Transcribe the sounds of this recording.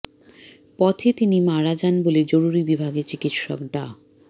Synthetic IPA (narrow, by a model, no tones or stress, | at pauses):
pɔt̪ʰet̪inimaɾad͡ʑanboled͡ʑoɾuɾibibʱaɡeɾt͡ɕikit̪ʃɔ̰kɖa